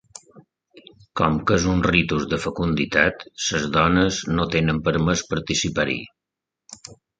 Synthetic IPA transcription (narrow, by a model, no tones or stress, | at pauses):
kɔmkəzunrit̪uzðəfəkund̪it̪at̪səzðɔnəznot̪enəmpəɾməspəɾt̪isipaɾḭ